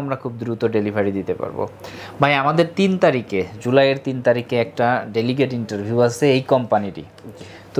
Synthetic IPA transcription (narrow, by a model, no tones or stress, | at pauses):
amɾakʰub̚d̪ɾut̪oɖelibʱaɾid̪it̪epa̰ɾbo̰bʱajamad̪eɾt̪int̪aɾiked͡ʑulajeɾt̪int̪aɾikeɛk̚ʈaɖeliɡeʈiɳʈaɾbʱjiuat͡ɕʰeejkɔmpaniʈḭ | t̪